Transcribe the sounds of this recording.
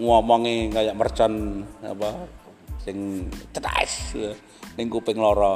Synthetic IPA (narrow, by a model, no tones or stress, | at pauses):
ŋuɔmɔŋiŋajaʔmərt͡ʃɔna̰pasɪŋt͡ʃəda̰ḭs | niŋkupɪŋlɔɾɔ